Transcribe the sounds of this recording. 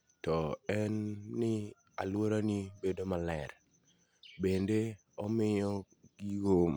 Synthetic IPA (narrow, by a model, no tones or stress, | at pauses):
tɔɛnːɪ | a̰lwoɾanibedomalɛɾ | bende | ɔmɪjɔ | ɡiɡom